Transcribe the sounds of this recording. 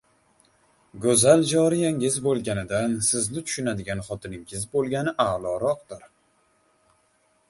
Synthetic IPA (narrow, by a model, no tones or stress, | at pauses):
ɡɵzald͡ʒɒɾijaŋɪzbolˠɡʲanɪd̪ansɪznɪt̪ʰʊ̥ʃʊnad̪ɪɡʲanχɒt̪ʰɪnɪŋɪzbolˠɡʲanɪʔalˠɒɾɒqd̪ɪɾ